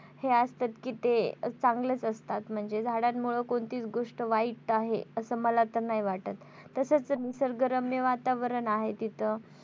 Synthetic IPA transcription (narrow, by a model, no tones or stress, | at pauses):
heast̪at̪kiːt̪et͡sãŋɡlət͡səst̪at̪m̤əɳd͡zed͡zʱaɽat̪muɭəkoɳt̪iːt͡sɡoʂʈəʋaiʈːaɦḛəsəːməlat̪əɾnaɦiʋaʈat̪ː | əsət͡smisəɾɡəɾəmjəʋat̪aʋəɾənaɦet̪it̪ʰə